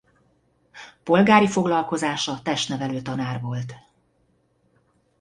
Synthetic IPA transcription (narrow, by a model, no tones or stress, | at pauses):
po̞lɡaːɾifo̞ɡlɒlko̞zaːʃɒt̪ɛʃt̪nɛvɛløːt̪ɒnaːrvo̞lt̪